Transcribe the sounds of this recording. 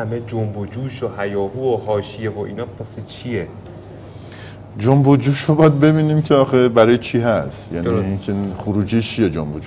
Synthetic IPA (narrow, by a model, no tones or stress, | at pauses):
æmed͡ʒombod͡ʒuːʃohæjɒːhuːoɦɒːʃijevoʔḭːnɒːpʰæset͡ʃʰie | d͡ʒombod͡ʒuːʃobɒd̪̚be̞biːniːmcʰeɒːxebæɾɒːjet͡ʃʰiɦæst̪jæːniinkʰexoɾuːd͡ʒiːt͡ʃʰijed͡ʒombod͡ʒu